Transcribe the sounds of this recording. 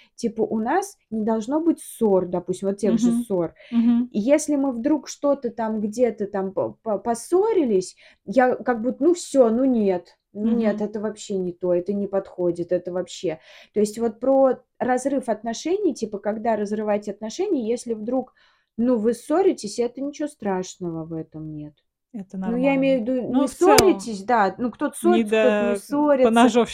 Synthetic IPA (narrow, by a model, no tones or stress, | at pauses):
tʲipəʔʊnas | nʲɪd̪ɐlˠʐno̞bɨtʲso̞rd̪ɐpu̥sʲt̪ʲɪmvot̪tʲːeɡʐɨso̞r | ijesʲlʲɪmɨvd̪ɾukʂt̪o̞t̪ət̪amɡdʲe̞t̪ət̪ampɐso̞ɾʲɪlʲɪsʲ | jakɐɡ̚but̪ːənufsʲonunʲet̪ | nunʲe̞t̪ɛt̪əvɐpɕːenʲɪt̪o̞ɛt̪ənʲɪpɐt̪xodʲɪt̪ɛt̪əvɐpɕːe̞t̪o̞ɪsʲtʲvo̞t̪̚pɾo | rɐzɾɨfɐt̪nɐʂɛnʲɪjtʲipəkɐɡd̪aɾəzrɨvajtʲɪɐt̪nɐʂɛnʲɪjəjesʲlʲɪvd̪ɾuk | nuvɨsoɾʲɪtʲɪsʲɛt̪ənʲɪt͡ɕɪvost̪ɾaʂnəvəvɛt̪əmnʲe̞t̪ | ɛt̪nujaɪmʲejʊvʲɪd̪unsoɾʲɪtʲɪsʲd̪anukt̪o̞t̪ə̥sok̪ot̪ɪsoɾʲɪn